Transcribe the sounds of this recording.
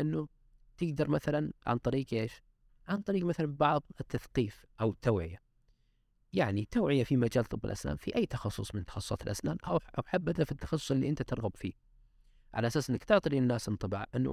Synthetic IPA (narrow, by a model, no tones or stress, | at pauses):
ʔɪnːu | t̪ɪɡd̪ɑɾˤmaθalanʕa̰nt̪ˤɑɾiːqʔeːʃ | ʕant̪ˤɑɾiːɡmaθalambɑʕðˤɪt̪ːaθqiːf | ʔawɪt̪ːawːʕɪ̰ja | jaʕnit̪ːaːʕɪjafimad͡ʒaːlt̪ˤɨbːɪ̰lʔa̰sna̰ːnfiʔajːt̪ɑxɑsˤːʊ̰sˤmɪnt̪ɑ̥xɑsˤsɑ̰ːt̪ɪlʔasnaːnʔawawħabːat̪afit̪ːɑ̥xɑsˤːʊ̥sˤɪlːḭʔɪnt̪at̪ɨɾˤɣɑbfḭː | ʕalaʔasaːsʔɪnːakt̪ʊʕt̪ˤilinːaːsʔɪnt̪ˤɨbɑ̰ʕʔɪnːṵ